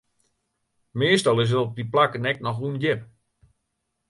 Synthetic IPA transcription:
meːstɔlˠɪs̬ətɔp̚diplakənɛk̚nɔxunjɪp

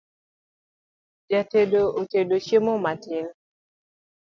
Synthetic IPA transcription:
d͡ʒatedootedoʃjemomatɪn

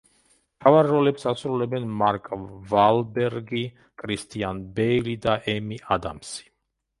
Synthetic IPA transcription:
mt̪ʰavaɾːɔlɛpsasɾulɛbɛnmaɾkʼvalbɛɾɡi | kʼɾist̪ʼianbɛlid̪aʔɛmiʔad̪a̰msi̥

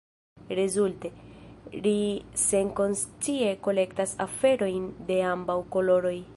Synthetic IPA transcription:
ɾezulte̞lise̞ŋko̞nst͡sie̞ko̞le̞ktasa̰fe̞ɾo̞jnde̞ambawko̞loɾo̞j

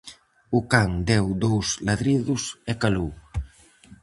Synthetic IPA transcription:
ʊkaŋd̪ɛwd̪owslaðɾiðʊsɛkalu

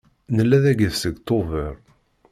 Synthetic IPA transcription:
nəlːæðæɡəðsəɡt̪ˤovəɾˤ

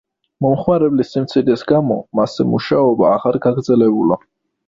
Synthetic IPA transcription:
mɔmχmaɾɛblisimt̪sʰid̪ɛsɡamɔmasɛmuʃaɔbaːʁaɾɡaɡɾd̪zɛlɛbula̰

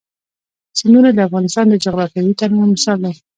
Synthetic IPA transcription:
sand̪unad̪əafɣɑnɪst̪ɑnd̪əd͡ʒaɣlɑkawit̪aɾnamɪsɑld̪a

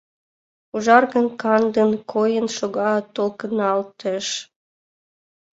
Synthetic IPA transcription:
uʒɑrɣənkɑnd̪ənkʰojənʃoɣɑt̪ːolkənɑlt̪eʃ

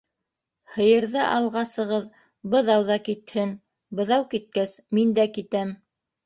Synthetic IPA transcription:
hɤ̆jɤ̆ɾðɤʔɑlˠʁɑsɤ̆ʁɤð | bɤ̆ðɑwðɑkit̪hɘn | bɤ̆ðɑwkit̪̚kæsmind̪ækit̪æm

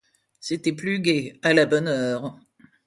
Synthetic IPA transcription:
set̪ɛplyɡʲealabɔnœːʁ

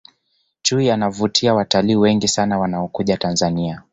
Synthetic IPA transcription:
t͡ʃuijanavutʰiawataliːwɛŋɡisanawanaɔkuʄatanzania

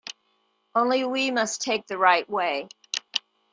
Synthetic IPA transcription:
ʔõʊ̃nliwimʌstʰeɪk̚ðɨɹaɪʔ̚weɪ

